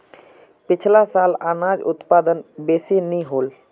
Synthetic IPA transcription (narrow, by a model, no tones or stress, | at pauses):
pit͡ʃʰlasalanad͡ʒṵt̪pad̪ənbesiniɦol